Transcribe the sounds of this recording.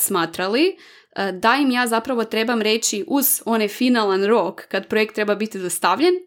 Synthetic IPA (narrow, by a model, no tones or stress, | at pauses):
smaːt̪ɾali | d̪aimjaːzapɾaʋo̞t̪ɾe̞bamɾe̞t͡ɕiʔuz̥o̞nefinalˠanɾo̞kːad̪pɾojek̚t̪ːɾe̞babit̪izast̪aʋʎen